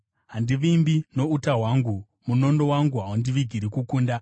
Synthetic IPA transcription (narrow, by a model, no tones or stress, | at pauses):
ɦandiʋimbino̞utaɦwaŋɡu | muno̞ndo̞waŋɡuɦawundiʋiɡʱiɾikukuːnda